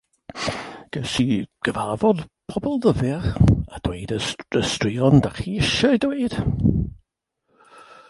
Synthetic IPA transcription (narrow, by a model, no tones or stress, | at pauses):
ɡ̥əsiɡ̥əvavɔdpʰɔbɔlˠðəvɪχa̰d̥weːdəəstriɔndaχiːɪʃədweːd̥